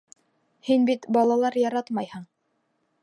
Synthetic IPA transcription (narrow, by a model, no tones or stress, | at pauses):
hinbit̪bɑlˠɑlˠɑɾjɑɾɑt̪mɑjhɤɴ